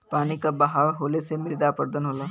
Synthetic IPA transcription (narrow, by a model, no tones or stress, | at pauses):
paːnikabɐɦaːɾɦoːlesemɪɾd̪apəɾd̪ənɦoːlaː